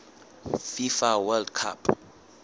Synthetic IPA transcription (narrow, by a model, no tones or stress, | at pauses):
fifawɛldkʰapʰ